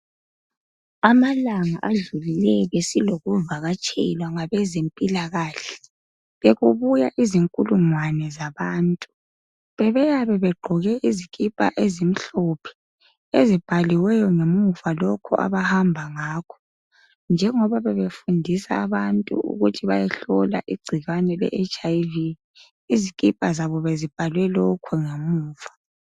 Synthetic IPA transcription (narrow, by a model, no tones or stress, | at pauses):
amalaŋaʔaɮulilɛβesiloɣuvaɣat͡ʃʼɛlwaŋaβɛzempʼilaɣaːɬɛ | βeɣuβujaʔiziŋkʼuluŋwanɛzaβaːntʼu | βɛβɛjaβɛβɛɡ͡ǃʱɔɣɛʔiziɣʼipʼa̰ʔezim̩ɬɔpʰɛ̥ | ezib̥ʱaliwɛjɔŋemuvalɔkʰɔ̰ʔa̰βahambʱaŋaːkʰɔ̥ | nd͡ʒʱɛŋɔβaβɛβefundʱisa̰ːβantʼṵṵɣutʰiβajɛɬɔla̰ʔiɡ͡ǀʱiɣanɛlɛ̰ʔet͡ʃʼajvi | izikʼipʼazaβɔβezib̥ʱalwɛlɔkʰɔŋemuːv̥a